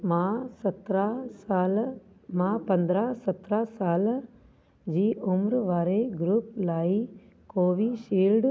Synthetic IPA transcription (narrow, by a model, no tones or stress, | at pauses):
mãsɐt̪ɾasaːl | mãːpɐ̃nd̪ɾasɐt̪ɾasaːl | d͡ʑiːʔʊmɾʋaːɾeɡɾuːplaːi | koːʋiʃiːlɖ